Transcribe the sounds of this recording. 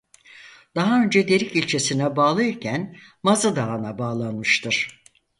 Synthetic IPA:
d̪̥aɦaø̞nd͡ʒɛd̪e̞ɾicilʲt͡ʃʰesinɛbaːlˠɯicʰænmazɯd̪aːnabaːlˠanmɯʃt̪ʰɯɾ̥

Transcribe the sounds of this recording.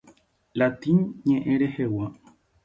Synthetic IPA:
lat̪iɲɲẽʔẽɾe̞hewa

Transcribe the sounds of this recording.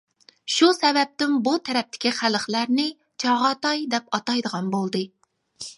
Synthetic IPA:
ʃusɛbɛp̚t̪ɪmbut̪ʰɛɾɛp̚t̪ʰɪ̥kʲiχæləχlæɾnɪ | t͡ʃʰɑʁɑt̪ɑjd̪ɛpɑt̪ɑjd̪əʁɑnbolˠd̪ɨ

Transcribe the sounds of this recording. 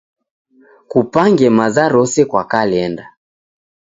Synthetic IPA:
kupaŋɡɛmazaɾɔsɛkwakalɛnda

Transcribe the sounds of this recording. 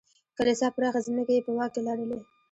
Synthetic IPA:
kalesɑpəɾɑxazəməkajepəwɑk̚kelɑɽəle

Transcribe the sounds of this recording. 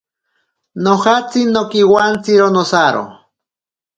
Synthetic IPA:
nohat͡sinːokiwant͡siɾonosaɾo̰

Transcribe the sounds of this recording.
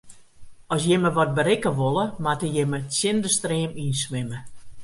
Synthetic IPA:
ɔsjɪməʋɔt̚bəɾɪkəʋolˠəmatəjɪməsjɪndəstreəminsʋɪmə

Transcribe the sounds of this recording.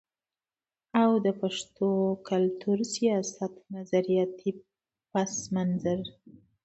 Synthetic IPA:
awd̪əpaʂt̪okalt̪ʰuɾsijɑsat̪nazaɾijɑt̪ʰi | pasmanzaɾ

